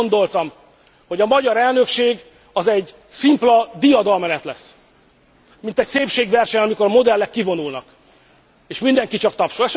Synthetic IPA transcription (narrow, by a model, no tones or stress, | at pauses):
nd̪o̞lt̪ɒm | ho̞ɟɒmɒɟɒɾɛlnø̞kʃeːɡ | ɒzɛɟ | simplɒd̪ijɒd̪ɒlmɛnɛt̪lɛsː | mint̪ɛcseːpʃeːɡvɛrʃɛɲɒmiko̞ɾɒmo̞d̪ɛlːɛkːivo̞nulnɒk | eːʃmind̪ɛŋkit͡ʃɒkt̪ɒpʃolɛʃ